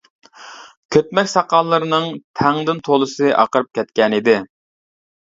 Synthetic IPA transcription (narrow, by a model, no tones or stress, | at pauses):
kʲʰøt̪̚mɛkʲsɑqɑlˠːɨɾɨnɨŋt̪ʰɛŋd̪ɪnt̪ʰolˠɨsɨʔɑ̰qəɾɨp̚kʲɛt̪̚kʲɛnid̪ɪ